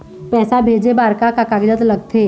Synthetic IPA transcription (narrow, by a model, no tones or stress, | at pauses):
pɛːsabʱeːd͡ʒebaːɾkakakaːɡd͡ʒət̪lɐɡt̪ʰeː